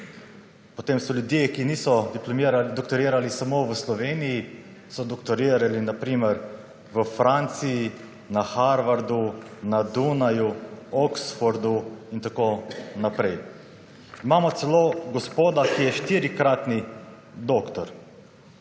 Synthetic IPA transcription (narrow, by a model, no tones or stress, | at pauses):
pɔt̪emsɔljud̪jekinisɔd̪iplɔmɾad̪ɔk̚t̪ɔɾiːɾalisamoʋəslɔʋeːniji | sɔd̪ɔkt̪ɔɾiːɾalinapɾiːməɾ | ʋəfɾant̪siji | naxaɾʋaɾd̪unad̪unajuɔksfɔɾd̪uint̪akoːnapɾɛj | imaːmɔt̪sɛloːɡɔspoːd̪akijɛʃt̪iɾikɾaːt̪ni | d̪okt̪ɔɾ